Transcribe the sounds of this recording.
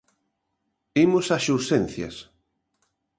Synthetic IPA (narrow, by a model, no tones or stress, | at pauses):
imʊsaʃuɾsenθjɐ̰s